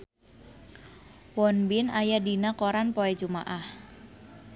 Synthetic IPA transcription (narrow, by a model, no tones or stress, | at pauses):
wɔnbɪnajadinakoɾanpɔɛd͡ʒuma̰ʔah